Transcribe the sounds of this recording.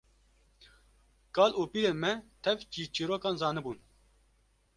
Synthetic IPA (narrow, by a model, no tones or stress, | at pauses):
kɑːlʔuːpiːɾeːnmɛt̪ʰɛvt͡ʃiːt͡ʃiːɾoːkɑːnzɑːnɨbuːn